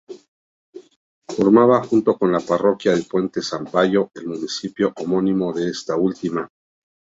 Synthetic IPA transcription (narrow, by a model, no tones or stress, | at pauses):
fo̞ɾmaβaxunt̪o̞ko̞nlaparo̞kjaðe̞lpwe̞nt̪e̞sampaʝo̞e̞lmũnisipjo̞ʔomõ̞nĩmo̞ðe̞est̪ault̪ima